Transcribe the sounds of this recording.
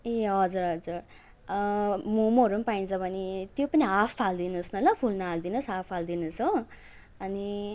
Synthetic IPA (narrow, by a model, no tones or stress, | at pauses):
eɦʌd͡zuɾɦʌd͡zur | momʌɾumpaint͡sʰʌbʱʌnit̪jopʌniɦapʰpʰald̪inusnʌlʌpʰulnald̪inusɦapʰpʰald̪inuso | ʌni